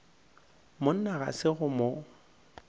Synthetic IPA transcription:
mon̩naɣa̰sɪɣʊmo

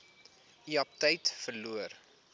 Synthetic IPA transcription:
iɐp̚təjtfərluər

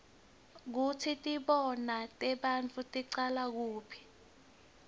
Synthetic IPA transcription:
k̬utʰitʼiɓɔnatʼɛɓant͡fʰʼutʼiǀalak̬uːpʰi̥

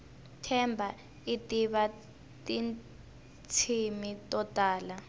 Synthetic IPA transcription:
tʰɛmbʱa | itʼiβa | tʼin | t͡sʰimitʼɔtʼaːla

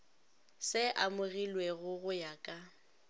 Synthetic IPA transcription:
sɪʔamʊɣilweɣʊɣʊjakʼa

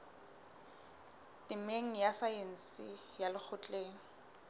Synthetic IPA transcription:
tɪmeŋ̩jasajen̩sɪ | jalɪk͡xʰʊt͡ɬʼeːŋ̩

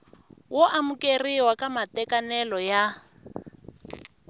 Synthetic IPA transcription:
wɔʔamukʼeriwakʼamatɛkʼanɛlɔja

